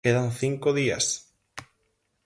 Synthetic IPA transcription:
eðanθiŋkoðia̰s

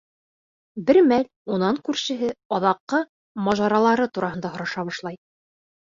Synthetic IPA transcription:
bɘɾmælʲ | unɑŋkʉɾʃɘ̆ɦɘɑðɑqːɤ | mɑʒɑɾɑlˠɑɾɤt̪uɾɑhɤ̆nd̪ɑhŏɾɑʃɑβɑʃlˠɑj

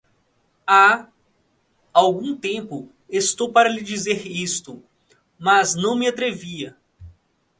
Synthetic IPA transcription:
a | awɡũt̪ẽpʊ | est̪owpaɾɐlid͡ʒizeɾist̪ʊ | mɐznɐ̃w̃mɪat̪ɾeviɐ

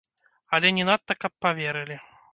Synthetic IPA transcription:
ɐlʲɛnʲɛnat̪ːɐkɐpːavʲɛɾɨlʲi

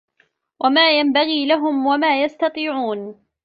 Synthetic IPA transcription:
wʔamaːjambaɣiːlaɦʊmwamaːjast̪ɑt̪ˤiːʕuːn

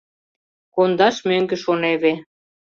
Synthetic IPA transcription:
kond̪ɑʃmøŋɡĕʃoneβe

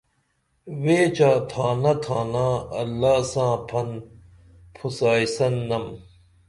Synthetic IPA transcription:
weːt͡ɕaːt̪ʰãːnɐt̪ʰãːnãːɐlːaːsãːpʰɐn | pʰusaːjsɐnːɐm

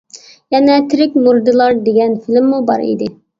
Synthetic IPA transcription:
jɛnɛt̪ʰɪɾɪkʲmuɾd̪ɨlˠɑɾd̪eɡʲɛnfɪlɪmːubɑ̰ɾḭd̪ɪ

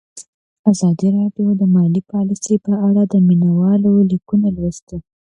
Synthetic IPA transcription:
azɑd̪iɾɑɖjod̪əmɑlipɑlisepəaɽad̪əminawɑlolikunalwəst̪ə

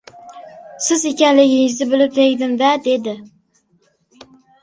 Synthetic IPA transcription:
sɪzekʲɛnlɪɡʲɪɪʒzɪbɪlɪp̚t̪ʰeɡʲd̪ɪmvɛd̪ed̪ɪ

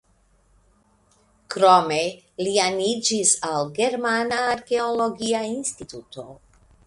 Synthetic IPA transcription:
kɾome | lianid͡ʒisalɡe̞ɾmanaːɾke̞olo̞ɡiainstit̪ut̪o̞

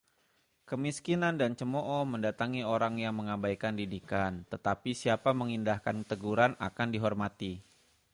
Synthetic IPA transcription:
kəmiskinandant͡ʃəmoʔɔməndat̪aŋioɾaŋjaŋməŋabajkandidikant̪ət̪apisiapaməŋindahkant̪əɡuɾana̰kandiɦɔrmat̪i

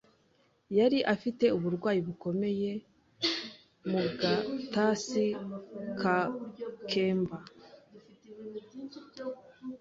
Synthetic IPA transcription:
jaɾiʔafite̞uβuɾɡwaːjiβuko̞me̞je̞ | muɡatasikʰakʰe̞ːmba

